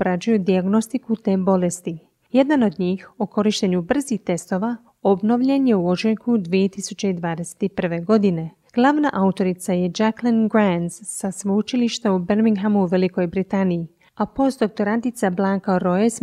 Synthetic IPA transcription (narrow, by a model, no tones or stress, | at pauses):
ɾad͡ʑujud̪iaɡno̞st̪ikut̪e̞ːbo̞lest̪i | je̞d̪ano̞d̪ɲiːxoko̞ɾiʃt̪e̞ɲubr̩ziht̪e̞st̪o̞ːʋa | obno̞ʋʎe̞njeuo̞t͡ʃejkud̪ʋijet̪isut͡ɕeid̪ʋaːd̪e̞se̥t̪ipr̩ʋe̞ɡo̞d̪ine̞ | ɡ̥lˠaʋna̰ʔaut̪o̞ɾit̪sajed͡ʒaklinɡɾanzːasʋout͡ʃiliʃt̪aubeɾmiŋɡɦamuuʋe̞liko̞jbɾit̪aniji | apo̞st̪d̪o̞k̚t̪o̞ɾant̪it̪sablˠaŋkaɾo̞es